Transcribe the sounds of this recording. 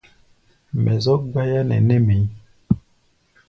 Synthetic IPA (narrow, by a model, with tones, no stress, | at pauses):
mʔɛ˨zɔ˦ɡwa˦ja˦nɛ̰˨nɛ˦mi˨˦